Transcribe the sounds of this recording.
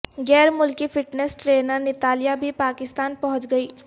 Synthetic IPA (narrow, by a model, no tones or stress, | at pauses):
ɡɛːɾmʊlkipʰɪʈnesʈɾeːnəɾnɪt̪aːlijabʱipaːkɪst̪aːnpɐɦʊ̃t͡ʃɡɐiː